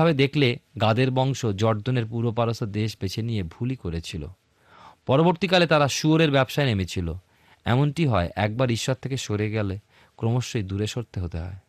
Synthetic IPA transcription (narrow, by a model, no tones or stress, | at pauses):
abed̪ekʰleɡad̪eɾbɔŋʃod͡ʑɔɾd͡ʑoneɾpuɾopaɾosod̪eʃbet͡ɕʰenijebʱulikoɾet͡ɕʰilo̰ | pɔɾoboɾt̪ikalet̪aɾaʃuoɾeɾbɛbʃaenemet͡ɕʰilo̰ | ɛ̰monʈiɦɔeʔɛk̚baɾiʃːat̪ʰːekeʃoɾeɡɛle | kɾomoʃːojd̪uɾeʃoɾt̪eɦot̪eɦɔ̰e